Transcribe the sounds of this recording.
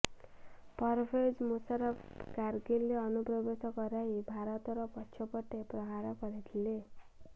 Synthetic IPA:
pʌɾpʰed͡zmusʌɾʌpkarɡilːeʌnuprʌbesʌkʌɾaɦibʱaɾʌt̪ɾʌpʌtːt͡ʃʰʌpʌʈːeprʌɦaɾʌkʌɾet̪ʰle

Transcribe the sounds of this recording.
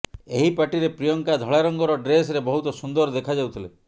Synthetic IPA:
eɦipaʈiɾepɾijɔŋkad̪ʱɔɭaɾɔŋɡɔɾɔɖɾes̬ɾebɔɦut̪ɔsund̪ɔɾd̪ekʰad͡ʒawt̪ʰile

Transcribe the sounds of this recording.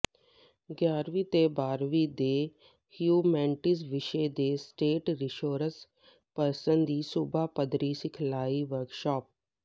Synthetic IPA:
ɡjaːɾʋiːt̪eːbaːɾʋiːd̪eː | hjuːmɛ̃ːɳʈɪsʋɪʃeːd̪eːsʈeːʈɾɪʃoːɾəs | pəɾsənd̪d̪iːsʊbaːpəd̪ɾiːsɪkʰlaːiːʋəɾkʃɔːp̚

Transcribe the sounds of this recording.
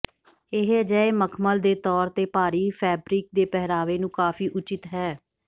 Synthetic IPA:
ɪɦəd͡ʒəːeməkʰməld̪eːt̪ɔːɾt̪eːpaːɾiːpʰɛːbɾiːk̚d̪eːpɛɦɾaːʋeːnũːkaːfiːʔʊt͡ʃɪt̪ɦɛː

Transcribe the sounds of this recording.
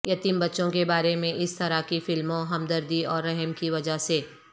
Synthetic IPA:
jɐt̪iːmbɐtːʃõkebaːɾemẽʔɪst̪ɐɾakifɪlmõɦɐmd̪əɾd̪iɔːɾːɛɦɛmkiʋɐd͡ʒaseː

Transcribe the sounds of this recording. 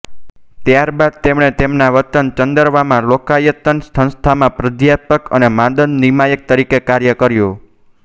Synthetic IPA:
t̪jaɾbad̪̚t̪emɳ̃et̪emnaʋət̪ənt͡ʃənd̪əɾʋamãlokajət̪ənsə̃st̪ʰamãpɾəd̪japəkənemãd̪ənːimajək̚t̪əɾikekaɾjəkəɾjo

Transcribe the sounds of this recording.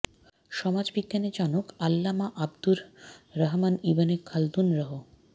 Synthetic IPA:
ʃɔmad͡ʑbiɡjaned͡ʑanokalːamaʔabd̪uɾːɐɦmanibanekʰald̪unɾaɦo

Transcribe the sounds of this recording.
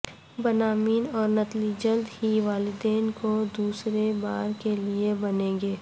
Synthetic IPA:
bənaːmiːnɔːɾnɐt̪lid͡ʒɐld̪hiʋaːlɪd̪eːnkod̪uːsɾebaːɾkeliebɐnẽːŋɡeː

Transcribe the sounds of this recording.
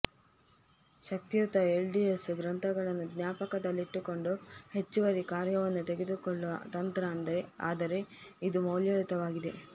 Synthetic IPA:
ʃɐk̚t̪ijut̪ɐelɖiesɡɾɐnt̪ʰɐɡɐɭɐnːud̪njaːpɐkɐd̪ɐlːiʈːuko̞ɳɖuhe̞t͡ʃːuʋɐɾikaːɾjɐʋɐnːut̪e̞ɡed̪ukoɭːuʋɐ̰t̪ɐnt̪ɾɐːnd̪ɐɾe̞a̰ːd̪ɐɾe̞id̪umoːljɐlit̪ɐʋaːɡid̪e̞

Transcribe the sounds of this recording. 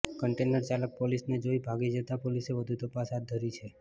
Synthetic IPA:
kəɳʈenəɾt͡ʃalək̚polisned͡ʒoibʱaɡid͡ʒət̪apoliseʋəd̪ʱut̪əpasɦad̪̚d̪ʱəɾit͡ʃʰe

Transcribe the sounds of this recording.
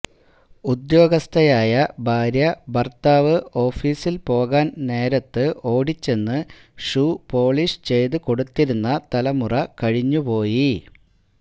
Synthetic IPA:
ud̪jo̞ːɡɐst̪ʰɐjaːjɐbʱaːɾjɐbɐrt̪aːʋɨo̞ːfiːsilpo̞ːɣaːnne̞ːɾɐt̪ːɨʔo̞ːɽit͡ɕːe̞nːɨ | ʂuːpo̞ːɭiːʂt͡ɕe̞jt̪ɨko̞ɽut̪ːiɾunːɐt̪ɐlɐmurɐkɐɻiɲːupo̞ːji

